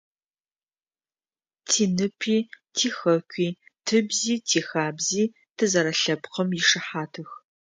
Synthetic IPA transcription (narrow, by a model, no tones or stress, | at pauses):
tʰiːnɨpʰiː | tʰiːxɐkʷʰʼiːtʰɨbziːtʰiːxaːbziː | tʰɨzɐɾɐɬɐbqɐmjɪʂɨħaːtʰɨx